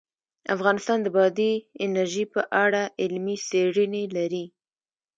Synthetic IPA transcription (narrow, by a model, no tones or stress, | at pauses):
a̰fɣɑnɪst̪ɑnd̪əbɑd̪iɪnaɾʒipəʔaɽaʔɪlmiseɽənelaɾi